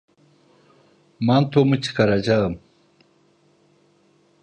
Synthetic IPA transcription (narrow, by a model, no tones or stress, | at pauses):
maːmt̪ʰomut͡ɕi̥kaɾad͡ʑam